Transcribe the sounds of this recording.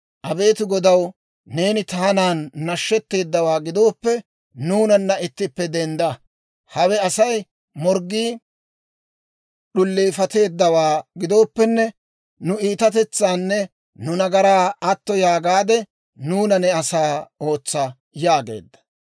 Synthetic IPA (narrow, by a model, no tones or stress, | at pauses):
ʔɐbe̞ːt̪ɪɡɔd̪ɐw | ne̞ːnɪt̪aːnaːnːɐʃːɛt̪ːe̞ːd̪ːɐwaːɡɪd̪o̞ːpːɛ | nuːnɐnːɐɪt̪ːɪpːɛd̪ɛnd̪ɐ | hɐwɛɐsɐj | mɔɾɡiː | ɗʊlːeːfɐt̪e̞ːd̪ːɐwaːɡɪd̪o̞ːpːɛnːɛ | nʊiːt̪ɐt̪ɛt͡sːaːnːɛ | nʊnɐɡɐɾaːɐt̪ːɔjaːɡaːd̪ɛ | nuːnɐnɛɐsaːo̞ːt͡sːɐ | jaːɡe̞̰ːd̪ːɐ̥